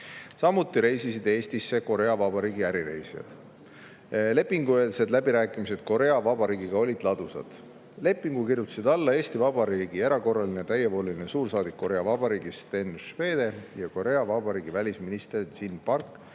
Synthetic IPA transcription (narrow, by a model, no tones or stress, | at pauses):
sɑmːut̪ːˑiɾe̞jsisid̪̥e̞ːst̪isːe̞ko̞ɾe̞ɑvɑbɑɾiːɡ̥iæɾiɾe̞̰jsijɑ̰d̪̥ | le̞pːˑiŋɡuelse̞d̪læbiɾæːkˑimise̞d̪̥̚ko̞ɾe̞ɑvɑb̥ɑɾiːɡiɡ̥ɑo̞lʲid̪̥lɑd̪̥usɑ̰d̪̥ | le̞pːˑiŋɡ̥ukirjut̪ːˑu̥sid̪̥ɑlːɑe̞ːst̪ivɑbɑɾiːɡ̥ieɾɑko̞rːɑlinet̪æjepo̞ːlʲilinesuːrsɑːd̪ikːo̞ɾe̞ɑvɑb̥ɑɾiːɡ̥ist̪e̞nʃve̞ːd̪̥e̞jɑko̞ɾe̞ɑvɑbɑɾiːɡ̥ivælʲisminist̪ersinpɑrkː